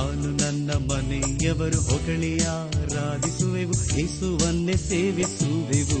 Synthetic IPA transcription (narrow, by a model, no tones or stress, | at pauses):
aːnunɐnːɐmɐnɐjɐʋɐɾuɦɔkɐɳijaːɾaːd̪isuʋeʋujeːsuʋɐnːeseːʋisuʋeʋu